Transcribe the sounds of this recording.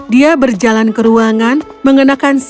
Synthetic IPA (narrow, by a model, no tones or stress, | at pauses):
diabərd͡ʒalankəɾuaŋan | məŋənakans